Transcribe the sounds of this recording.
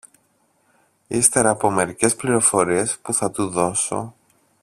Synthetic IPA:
ist̪e̞ɾɐːpo̞me̞ɾice̞spliɾo̞fo̞ɾie̞spuθɐt̪uðo̞so̞̰

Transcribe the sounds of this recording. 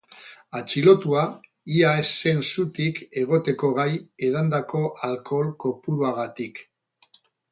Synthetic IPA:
at͡ʃilo̞t̪ua | iaesːe̞nsut̪ike̞ɣ̞o̞t̪e̞ko̞ɣ̞aje̞ð̞and̪ako̞ʔalko̞lko̞puɾuaɣ̞at̪ik

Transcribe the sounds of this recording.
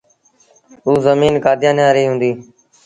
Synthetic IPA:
ɦuːzəmiːnkaːd̪ʱɪjãːnjãːɾiːɦʊ̃ːnd̪iː

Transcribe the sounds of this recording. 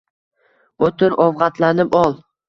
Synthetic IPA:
ot̪ɪɾʔɒvʁɑt̪ʰlanɪpɒlˠ

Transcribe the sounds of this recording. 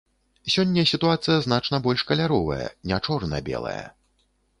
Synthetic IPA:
sʲɔnʲːɐsʲit̪uat̪sɨjɐznat͡ʂnɐbɔlʲʂkɐlʲaɾɔvɐ̰jɐ̰nʲat͡ʂɔrnɐ̰bʲɛ̰lˠɐ̰jɐ̰

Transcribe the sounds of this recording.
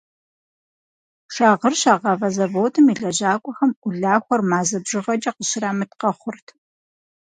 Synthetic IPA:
ʂaːʁərɕaːʁɐvɐzɐvoːtʰɨmiɮɐʑaːkʷʼɔxɐmʔʷʊɮaːxʷɔrmaːzɐbʑɪʁɐd͡ʒʼɐqəɕɪraːmɨtqɐχʷʊrtʰ

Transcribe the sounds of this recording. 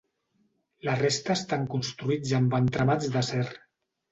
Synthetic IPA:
lərest̪əːst̪aŋkunst̪ɾuid͡zəmbant̪ɾamad͡zðəsɛr

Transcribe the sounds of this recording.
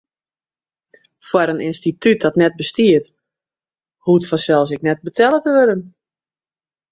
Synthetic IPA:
fwaɾənʔɪnstityt̚dɔtnɛt̚bəstiət | hutfɔsɛlˠs̬ɪknɛt̚bətʰɛlˠətəʋøɾən

